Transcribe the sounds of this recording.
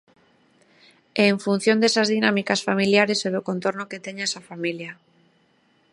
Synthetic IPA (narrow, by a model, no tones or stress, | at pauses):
eːɱfun̟θjond̪esazðinamikasfamiljaɾeseðokont̪oɾnoket̪eɲsafamilja